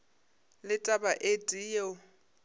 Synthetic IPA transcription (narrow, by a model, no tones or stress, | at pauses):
lɪtʼabaʔetʼije